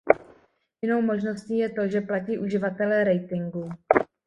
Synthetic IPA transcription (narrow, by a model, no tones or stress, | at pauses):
jɪno̞wmo̞ʒno̞sciːjɛt̪o̞ʒɛplaciːʔuʒɪvat̪ɛlɛɾɛjt̪ɪŋɡu